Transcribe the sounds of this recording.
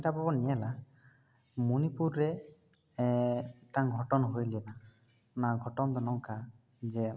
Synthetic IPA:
ʈapɔbɔniɛla | munipuɾːe | ʈaŋɡʱɔʈɔnɔɦojlɛna | naɡʱɔʈɔnt̪ɔnɔŋka | d͡ʒe

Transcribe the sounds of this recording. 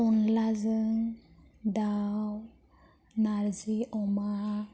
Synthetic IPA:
ɔnlazəŋ | d̪aw | naɾziʔɔma

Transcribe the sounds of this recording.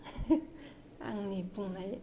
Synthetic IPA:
a̰ŋnipuŋnaj

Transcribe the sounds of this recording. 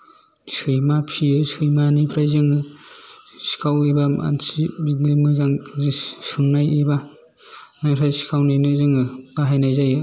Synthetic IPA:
sʰɯjmapʰiɯsʰɯjmanipʰɾajzɯŋɯ | si̥kʰawebaa̰nsibinimɯzaŋzsɯŋnajeba | naŋsʰajsi̥kʰawnajnɯzɯŋɯb̥aɦajnajzajɯ

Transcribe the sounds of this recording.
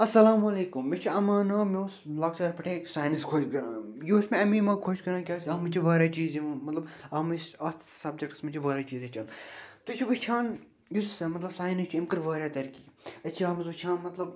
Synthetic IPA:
ɐsɐlaːmɐleːkumːet͡ʃʰiɐmaːnɐmeslaːkt͡ʃaːɾpɐʈʰẽːksaːjniskʰoːt͡ʃɡjusmẽɐmĩːmɐkʰoʃkɐɾãːkʲaːskʲɐmit͡ʃʰiʋaːɾʲaːt͡ʃiːzimmɐt̪lɐbɐmisɐt̪ʰsɐb̚d͡ʒek̚ʈsmɐt͡ʃʰiʋaːɾaːt͡ʃiːzet͡ʃʰɐnt̪ut͡ʃʰiʋit͡ʃʰãːn | jussɐmɐt̪lɐbsaːjnist͡ʃʰuimkɨɾʋəːɾʲaːt̪ɐɾkiːɐt͡ʃʰiɐːmɐzut͡ʃʰãːnmɐt̪lɐb

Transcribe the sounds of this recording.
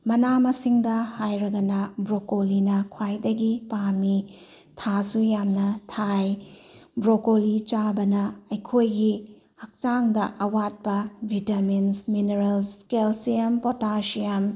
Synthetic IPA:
mɐnamɐsiŋdɐhajɾɐɡɐnɐbɾokolinɐkʰwajdɐɡipami | tʰasujamnɐtʰajbɾokolit͡ʃabɐnɐɐjkʰojɡi | hɐk̚t͡ʃaŋdɐʔɐwat̚pɐbʱitɐminsmineɾɐlskelsijɐmpotasijɐm

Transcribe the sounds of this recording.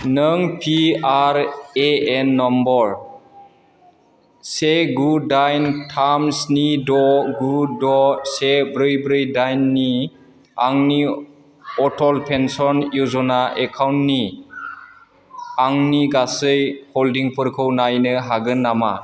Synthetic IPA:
nɯŋpʰiaɾeenːɔmbɔɾ | seɡudajntʰamsnidɔɡudɔsebɾɯjbɾɯjdajnːi | aŋni | ɔtʰɔlpʰensɔnjuzɔnaʔekʰawntni | aŋniɡasɯjholdiŋpʰɯɾkʰɯwnajnɯɦaɡɯnːama

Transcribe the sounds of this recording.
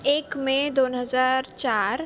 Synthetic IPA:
eːkmẽd̪oːnɦəzaːɾt͡ʃaːɾ

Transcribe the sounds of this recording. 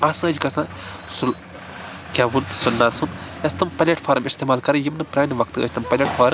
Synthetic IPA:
asɨ̃ɐd͡ʒkɐsã | sul | kʲɐʋunsunːasunɐst̪ɐmpɐlʲɐʈfʰaːɾɐmist̪eːmaːlkɐɾɐjimnɐpɾaːniʋɐkt̪ɨɐ̰t͡ʃʲt̪ɐmpɐlʲɐʈfʰaːɾɐm

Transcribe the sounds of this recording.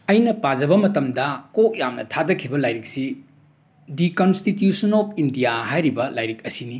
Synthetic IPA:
ɐjnɐpad͡ʒɐbɐmɐtɐmdɐkok̚jamnɐ̰tʰadɐkʰibɐlajɾik̚si | dikonstitjusɐnopʰindijaɦajɾibɐlajɾik̚ɐsini

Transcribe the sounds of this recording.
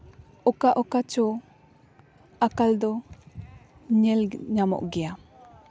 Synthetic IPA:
ɔkaʔɔkat͡ʃɔ | akald̪ɔ | ɲɛlɲamɔ̰ʔɡɛa

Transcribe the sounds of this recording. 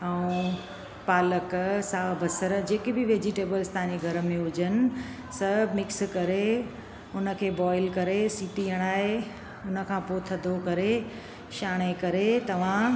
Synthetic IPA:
ɐũ | paːləksaːbəsəɾd͡ʑeːkɪbɪʋeːd͡ʑɪʈeːbəlst̪aãɲd͡ʑeɡʱɐɾə̆mẽɦʊd͡ʑənɪ̆ | sɐmɪkskɐɾe | ʊnə̆kʰeːbɔːɪlkɐɾesiːʈiːəɽ̃aːɦe | ʊnə̆kʰãːpoːt̪ʰɐd̪ʱokɐɾe | ʃaːɽ̃ekɐɾet̪ɐʋ̤ã

